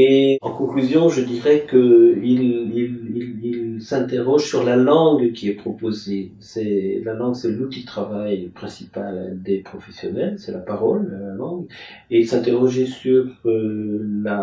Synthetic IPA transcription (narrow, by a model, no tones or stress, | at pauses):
eɑ̃kɔ̃klyzjɔ̃ʒəd̪iʁɛkəililililsɛ̃t̪eʁɔʒsyʁlalɑ̃ɡkʲiɛpχɔpozesɛlalɑ̃ɡsɛlut̪it̪χavajpχɛ̃si̥pald̪epχɔfɛsjɔnɛlsɛlapaʁɔləlalɑ̃ɡ | eilsɛ̃t̪eʁɔʒesyʁøla